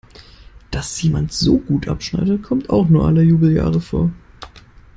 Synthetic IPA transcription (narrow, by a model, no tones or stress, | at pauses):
d̥asjeːmantz̥oːɡuːtʔa̰pʃna̰ɪɾəkʰɔmta̰ʊxnuːɐʔaləjuːbl̩ja̰ːʁəfo̰ːɐ